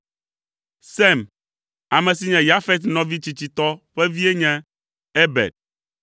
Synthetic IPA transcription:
sɛ˦˨m | a˨mɛ˨si˨ɲɛ̃˨ja˦fɛ˦t̪nɔ̃˨vi˦t͡ɕi˨t͡ɕi˨t̪ɔ˦ɸɛ˦vi˦e˦ɲɛ̃˦ | e˦bɛ̰˨d̪̚

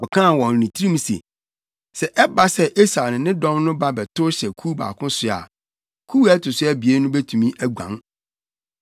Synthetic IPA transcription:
ɔ˨kʰã˦˨wɔ̃˨n˨nĩ˨tʰi˦ɾĩ˦m̃˦sḛ˨ | sɛ˨ʔɛ˦ba˦sɛ˦ʔe˦sa˨nʊ̃˨nɪ̃˦dɔ̃˦mnʊ̃˦ba˦bɛ˨tʰʊ˦ɕɛ˨kʰu˦ba̰ː˨kʰʊ̃˦sʊ˨a̰˨ | kʰu˦æ˦tʰʊ˨sʊ˦æ˦bi˨e˦nʊ̃˦bɛ˦tʰũ˨mĩ˦ʔæ˦ɡʷã̰˨ŋ

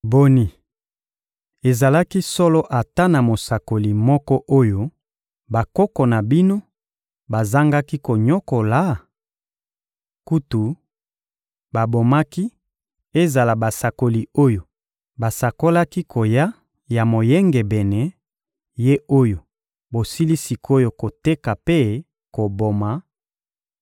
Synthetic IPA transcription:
bo˨ni˨ | e˨za˨la˦ki˦sɔ˦lɔ˦ʔa˨ta˦na˨mo˨sa˨ko˨li˨mɔ˦kɔ˦ʔo˦jo˦ | ba˨kɔ˦kɔ˨na˨bi˦no˦ | ba˨za˦ŋɡa˦ki˦ko˨ɲɔ˦ko˨la˨˦ | ku˦tu˨ | ba˨bo˨ma˦ki˦ | e˦za˨la˨ba˨sa˨ko˨li˨o˦jo˨ | ba˨sa˨ko˦la˦ki˦kʰo˨ja˦ | ja˨mo˨jɛ˦ŋɡɛ˨bɛ˨nɛ˨ | je˦o˦jo˨ | bo˨si˦li˦si˨ko˦jo˦ko˨te˦ka˨pe˦ | ko˨bo˨ma˨˦

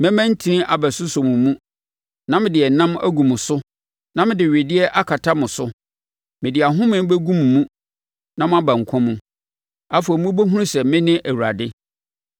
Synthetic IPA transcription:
mɛ̃˦mæ̃˦n̩˦tʰi˨nĩ˦ʔa˨bɛ˨sʊ˦so˨mũ˨˦mũ˦ | nã˦mɪ̃˨dɪ˨ɛ˨nã˦mæ̰˦ɡũ˨mʊ̃˨sʊ˦ | nã˦mɪ̃˦dɪ˨ɥe˨dɪ˦ɛ˦ʔa˦kʰa˨tʰa˦mʊ̃˨sʊ˦ | mɪ̃˨dɪ˨a˨ɦʊ̃˦mɪ̃˦m˦be˦ɡũ˦mː˨ũ˦ | nã˦mʊ̃˦a˦bã˨ŋ̩˨kʷʰɔ̃˦mũ˦ | a˦fo˨mũ˦bo˦ɦũ˦ũ˦sɛ˨mɪ̃˦nɪ̃˦ʔæ˨wu˨a˨dɪ˦

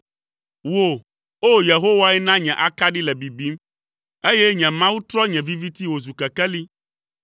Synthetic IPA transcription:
wo˨ | o˦je˨ɦo˦wa˦ɛ˦nã˦ɲɛ̃˨ʔa˦ka˦ɖi˦lɛ˨bi˨bi˨˦m | e˦jɛ˦ɲɛ̃˨mã˦wu˦t̪ɾɔ˦ɲɛ̃˨vi˦vi˦t̪i˦wo˨zu˨kɛ˨kɛ˦li˦

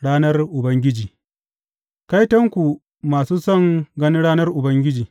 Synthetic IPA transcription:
ɽaː˦nɐ˦rʔʊ˨bɐ˦ŋɡʲɪ˦d͡ʒiː˨ | ka˦jtɐ˦ŋkʷu˨ | maː˨suː˦sɐ˦˨ŋɡɐ˦ni˦ɽaː˦nɐ˦rʔʊ˨bɐ˦ŋɡʲɪ˦d͡ʒiː˨

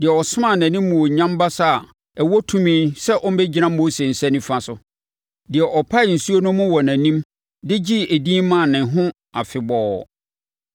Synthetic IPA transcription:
dɪ˨ɛ˨ɔ˨sʊ˦mã˦˨nã˨nĩ˦mː˦ũ˨ɔ˨ɲã˦mba˦sa˦a˨ | ɛ˨wɔ˦tʰũ˦mĩː˦nsɛ˦ʔɔ˦m˦bɛ˦d͡ʑi˦nã˦mo˦se˨n̩˨sɛ˦nɪ̃˦fã˨sʊ˨ | dɪ˨ɛ˨ʔɔ˨pʰa˦ɪ˨n̩˨su˦o˦nʊ̃˦mʊ̃˦wɔ˨næ̃˨nĩ˦m | dɪ˦d͡ʑi˦e˨dĩː˦mːã˨nɪ̃˨ɦʊ̃˦ | a˨fɪ˨bɔː˦

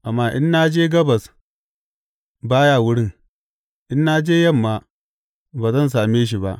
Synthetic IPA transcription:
ʔa˨mːaː˦ʔɪ˦nːaː˦d͡ʒeː˦ɡɐ˦bɐ˨s | baː˦jaː˦˨wʊ˦ɽɪ˦˨ŋ | ʔɪ˦nːa˦d͡ʒeː˦jɐ˦˨mːaː˨ | baː˨zɐ˦ns̬aː˨meː˦ʃ̬i˨ba˦ʔ

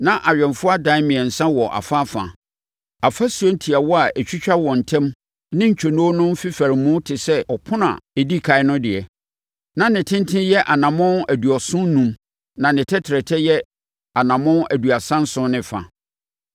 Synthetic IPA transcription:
nã˦ʔa˨ɥᶣɛ˨nfʊ˦a˦dã˨˦mɪ̃˨ɛ˨n̩˨sã˦wɔ˨ʔa̰˨fa˦fã̰˨ | a˨fa˦su˨ɔ˦n̩˦tʰi˨a˨wɔ˦a˨ʔɛ˨t͡ɕᶣi˦t͡ɕᶣa˦wɔ˨n̩˨tʰɛ̃˦m | nɪ̃˦ɲ̩˨t͡ɕᶣʰɔ˨nõ˦nʊ̃˦m˦fɪ˦fæ˨ɾɪ˨mːʊ̃˦tʰɪ˨sɛ˦ɔ˨pʰʊ̃˦nã̰˨e˨di˦kʰa˨ɪ˦nʊ̃˦dɪ˨ɛ˨ | nã˦nɪ̃˨tʰɪ̃˦n˦tʰɪ̃˦jɛ˦ʔa˨nã˨mʊ̃˦næ˨du˨ɔ˨sʊ̃˦n˦nũ˦m | nã˨nɪ̃˨tʰɛ˦tʰɪ˨ɾɛ˨tʰɛ˦jɛ˦ | a˨nã˨mʊ̃˦næ˨du˨a˨sã˦n˦sʊ̃˦nɪ̃˨fa̰˨

